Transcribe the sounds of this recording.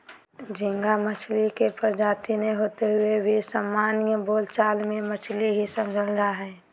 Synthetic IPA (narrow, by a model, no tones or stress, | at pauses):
d͡ʒɪ̃ŋɡamət͡ʃʰlikepəɾd͡ʒaːt̪ineɦoːt̪eɦʊebʱisəmːaːnjəboːlt͡ʃaːlmẽmət͡ʃʰliɦisəmd͡ʒʱəld̪aɦɛː